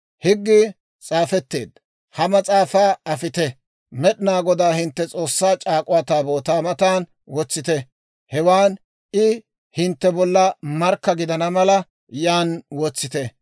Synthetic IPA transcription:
hɪɡːɪ | t͡sʼaːfɛt̪ːe̞ːd̪ | hɐmɐt͡sʼaːfaːɐfɪt̪ɛ | mɛɗɪnaːɡɔd̪aːhɪnt̪ːɛt͡sʼo̞ːsːaːt͡ʃʼaːkʼʊwat̪aːbo̞ːt̪aːmɐt̪aːn | wɔt͡sːɪt̪ɛ | hɛwaːn | ʔɪ | hɪnt̪ːɛbɔlːɐmɐɾkːɐɡɪd̪ɐnɐmɐlɐ | jaːnwɔt͡sːɪt̪ɛ

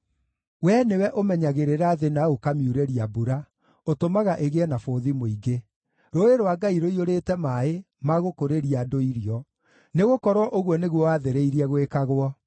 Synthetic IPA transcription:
wɛnewɛʔomɛɲaɣeɾeɾaðenaokamiuɾeɾiabuɾa | otomaɣaʔeɣeɛnafoːðimoiɡe | ɾoeɾoaɡaiɾoioɾetɛmae | maɣokoɾeɾiadoiɾiɔ | neɣokɔɾwɔʔoɣwɔneɣwɔwaːðeɾeiɾiɛɣwekaɣwɔ

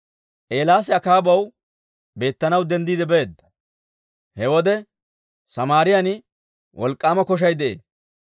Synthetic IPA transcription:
ʔe̞ːlaːs̬ɛɐkaːbɐw | be̞ːt̪ːɐnɐwd̪ɛnd̪iːd̪ɛbɛeːd̪ɐ | hɛwɔd̪ɛ | sɐmaːɾɪjɐnɪ | wɔlkʼːaːmɐkɔʃ̬ɐjd̪ɛʔḛː

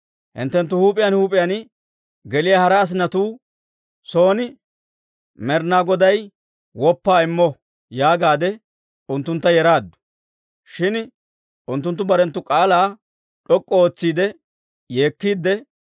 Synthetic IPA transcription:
hɪ̰nt̪ːɛnt̪̬ːʊhuːpʼɪjanhuːpʼɪjan | ɡɛlɪjahɐɾɐːs̬ɪnːɐt̪uː | so̞ːnɪ | mɛɾnaːɡɔd̪ɐj | wɔpːaːɪmːɔ | jaːɡaːd̪ɛ | ʊnt̪ːʊnt̪ːɐjɛɾaːd̪ːʊ̥ | ʃɪn | ʊnt̪ːʊnt̪ːʊbɐɾɛnt̪ːʊkʼaːlaː | ᶑɔkʼːɔoːt͡sːiːd̪ɛ | jeːkːiːd̪ːɛ

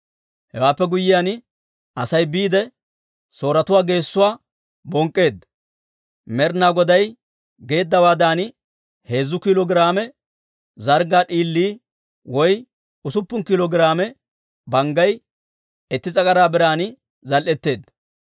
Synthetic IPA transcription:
hɛwaːpːɛɡʊjːɪjaːn | ɐsɐjbiːd̪ɛ | so̞ːɾɐt̪ʊwaːɡe̞ːsːʊwaː | bɔŋkʼːe̞ːd̪ɐ | mɛɾnaːɡɔd̪ɐj | ɡe̞ːd̪ːɐwaːd̪aːnɪ | he̞ːzːʊkɪlɔɡɪɾaːmɛ | zɐɾɡaːɗiːlːiː | wɔj | ʊsʊpːʊnkɪlɔɡɪɾaːmɛ | bɐŋɡɐj | ɛt̪ːɪt͡sʼɐkʼɐɾaːbɪɾaːnɪ | zɐlʔɛt̪ːe̞ːd̪ːɐ

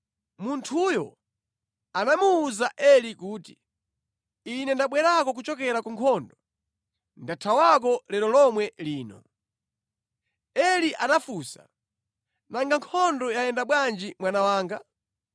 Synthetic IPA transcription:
muntʰujɔ | anamuːzaʔɛlikuːti | inɛndaɓwɛɾakɔk̬ut͡ʃɔk̬ɛɾakuŋkʰɔndɔ | ndatʰawak̬ɔlɛɾɔlɔmwɛliːnɔ̰ | ɛliʔanafusa̰ | naŋɡaŋkʰɔndɔjajɛndaɓwand͡ʒimwanawaːŋɡa

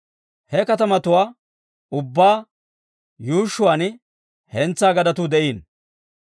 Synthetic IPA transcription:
hɛkɐt̪ɐmɐt̪ʊwaː | ʊbːaː | juːʃːʊwan | hɛnt͡sːaːɡɐd̪ɐt̪uːd̪ɛʔiːn

